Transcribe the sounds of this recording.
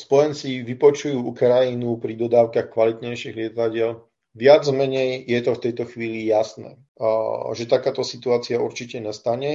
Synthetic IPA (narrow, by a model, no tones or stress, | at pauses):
spɔjɛnt͡siʋipɔt͡ʃujuːukɾajinupɾid̪ɔd̪aːʊkaxkʋalit̪ɲɛjʃiɣlɪɛt̪aɟɪɛl | ʋɪad͡zmɛɲɛjjɛt̪ɔft̪ɛjt̪ɔxʋiːlijasnɛ̰ː | ʒɛt̪akaːt̪ɔsit̪uaːt͡siauɾt͡ʃicɛɲɛst̪aɲɛ